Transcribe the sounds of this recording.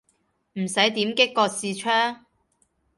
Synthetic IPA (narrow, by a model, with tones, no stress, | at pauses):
m̩˨˩sɐ˨˥jt̪iː˨˥mkɪ˥kːɔː˧k̚siː˧t͡ʃʰœː˥ŋ